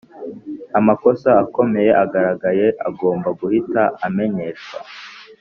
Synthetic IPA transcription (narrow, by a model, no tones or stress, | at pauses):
amako̞saːko̞me̞je̞ʔaɡaɾaɡaje̞ʔa̰ɡo̞ːmbaɡuhitaʔame̞ɲe̞ʃa̰